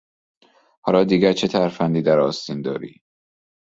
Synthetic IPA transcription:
hɒːlɒːd̪iːɡæɾt͡ʃʰet̪ʰæɾfænd̪iːd̪æɾɒːst̪ind̪ɒːɾḭː

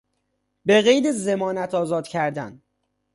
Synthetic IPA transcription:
be̞ɣejd̪eze̞mɒːnæt̪ʰɒːzɒːd̪cʰæɾd̪æ̰n

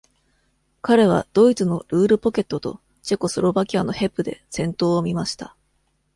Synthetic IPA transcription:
kaɾe̞β̞a̰d̪̥o̞it͡sɨno̞ɾɯ̟ːɾɯ̟po̞ke̞t̪ːo̞t̪o̞̰ | t͡ɕe̞ko̞sɨɾo̞bakʲiano̞he̞pːɯ̟d̪e̞̰sẽ̞nt̪o̞ːmʲimaɕi̥t̪a

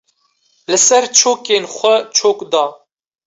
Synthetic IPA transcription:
lɨsɛɾt͡ʃʰoːkeːnxʷɛt͡ʃʰoːkd̪ɑː

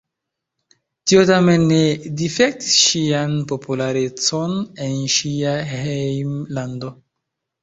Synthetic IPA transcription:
tiotame̞nːe̞difek̚ti̥sʃianpo̞pulaɾe̞t͡so̞ne̞nʃiahejmlando̞

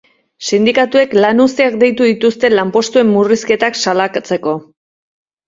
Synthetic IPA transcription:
sind̪ikat̪ue̞klanust̪eakd̪e̞jt̪uðit̪ust̪e̞lampo̞st̪ue̞mːuriske̞t̪aksalakt͡se̞ko̞

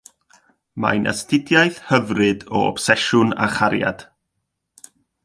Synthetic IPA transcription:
ma̰ɨnʔa̰stɪdjajθhəvrɨdɔɔ̰b̥sɛʃʊna̰χaɾja̰d̥

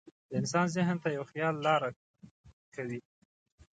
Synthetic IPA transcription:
d̪əɪnsɑnzɪɦnt̪ajawxjɑlːɑɾa | kʰawi

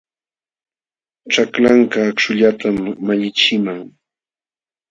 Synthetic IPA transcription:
ʈ͡ʂaklaŋkaːkʃʊʎat̪ʰamːaʎɪt͡ʃɪmaŋ

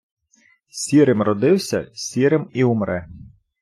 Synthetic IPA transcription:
sʲiɾɪmrɔd̪ɪwsʲɐ̰sʲiɾɪmiʊmɾɛ

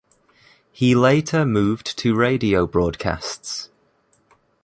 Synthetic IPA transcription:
hileɪtʰəmʉːvtʰəɹeɪdiəʊbɹɔːd̚kʰa̰sts

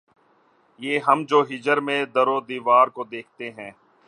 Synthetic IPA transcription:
jeːɦɐmd͡ʒoːɦɪd͡ʒəɾmẽd̪əɾoːd̪iːʋaːɾkod̪eːk̚ʰt̪eɦɛ̃ː

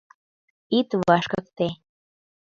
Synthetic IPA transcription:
it̪βɑʃkək̚t̪e

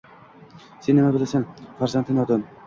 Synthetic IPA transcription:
senːɪmabɪlasanfaɾzant̪ʰɪnɒd̪ɤn

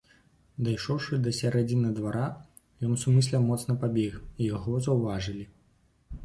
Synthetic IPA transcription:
d̪ajʂɔwʂɨd̪ɐsʲaɾad͡zʲinɐd̪vaɾa | jɔnsumɨsʲlʲɛwmɔt̪snɐpabʲɛxijaɣɔzɐwvaʐɨlʲi

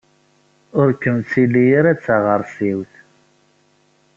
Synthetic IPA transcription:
ʊɾkːəmt͡sːilːijəɾæt͡sːaʁəɾˤsiwθ

